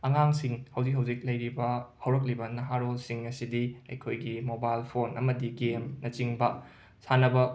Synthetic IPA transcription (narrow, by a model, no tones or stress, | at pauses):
ɐŋaŋsiŋhɐwzik̚ɦɐwzik̚lɐjɾibɐhɐwɾɐk̬̚libɐnɐɦaɾolsiŋɐsidiɐ̰jkʰojɡimobajlpʰonɐmɐdiɡemnɐt͡ʃiŋbɐ | sanɐbɐ